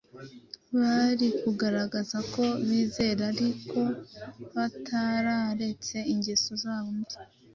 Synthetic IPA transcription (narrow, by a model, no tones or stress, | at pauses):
βaɾikuɡaɾaɡazako̞βiːze̞ɾaɾikʰo̞βatʰaɾaɾe̞t͡se̞iɲɟesozaːβomdi